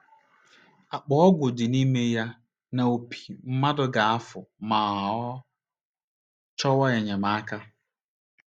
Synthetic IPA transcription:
a˨k͡pɔ˨ɔ˦ɡʷʊ˨dɪ˨ni˦me˦ja˦ | na˨o˨pʰi̥˨m̩˦ma˦dʊ˦ɡa˨a˦fʊ˨ma˨ɔ˦ | t͡ʃɔ˦wa˦e˨ɲe˨ma˨a˦ka˦

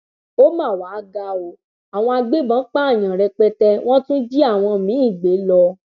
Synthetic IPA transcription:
o˦mã˦˨waː˨˦ɡa˧o˨ | a˨w̃ɔ̃˧a˧ɡ͡be˦bã˨˦k͡pa˦˨j̃ã˨ɾɛ˧k͡pɛ˧tɛ˧w̃ɔ̃˦tũ˦d͡ʒi˦a˦˨w̃ɔ̃˧mĩ˨˦ĩ˦˨ɡ͡be˨˦lɔ˧

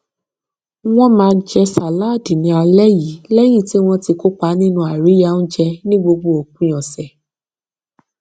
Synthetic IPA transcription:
w̃ɔ̃˦mãː˧˦d͡ʒɛ˧sa˨la˦˨di˨nĩ˧˦a˧lɛ˦ji˨˦lɛ˦j̃ĩ˦˨ti˦w̃ɔ̃˧ti˧ko˦k͡pa˨˦nĩ˦nũ˧˦a˨ɾi˨˦ja˧˦nũ˦d͡ʒɛ˧nĩ˦ɡ͡bo˧ɡ͡bo˧˦o˨k̚ũ˦j̃ɔ̃˨sɛ˨

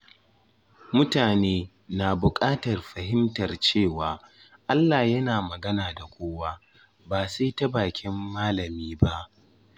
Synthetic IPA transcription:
mʊ˦taː˨neː˦ | naː˨bʊ˨kʼaː˦tɐ˨rɸɐ˨ɦɪ˦mtɐ˨rt͡ʃeː˦˨waː˨ | ʔa˦lːaː˨jɐ˦naː˨mɐ˨ɡɐ˦naː˨da˨kʷoː˦waː˦ | baː˨se˦tɐ˦baː˨kʲʰɪ˦mːaː˦lɐ˨miː˦ba˦ʔ

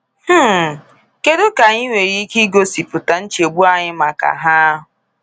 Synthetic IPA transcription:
h̩˦˨ | ke˦do˦ka˨ɲi˦ŋʷe˨ɣi˦ki˦ɡo˦si˨pʊ˨ta˨n̩˦t͡ʃe˨ɡ͡bu˦a˦ɲɪ˦ma˨ka̰˨ɦa˦a˦ɦʊ˨

